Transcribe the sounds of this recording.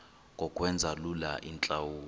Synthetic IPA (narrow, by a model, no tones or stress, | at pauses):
ŋɡʱɔkʼwɛnd͡zʱalulaʔint͡ɬʼawuː